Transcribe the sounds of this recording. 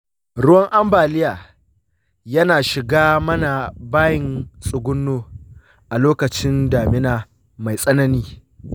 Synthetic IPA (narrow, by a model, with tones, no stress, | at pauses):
ɾʊ˦wɐ˦ŋʔa˦mbaː˨lɪ˦jaː˨ | jɐ˦naː˨ʃɪ˨ɡaː˦mɐ˦na˨baː˦jɪ˨nsʼʊ˨ɡʷʊ˦nːoː˦ | ʔa˨loː˦kɐ˨t͡ʃɪ˦ndaː˨mɪ˦naː˨ | ma˨jsʼɐ˦nɐ˦niː˦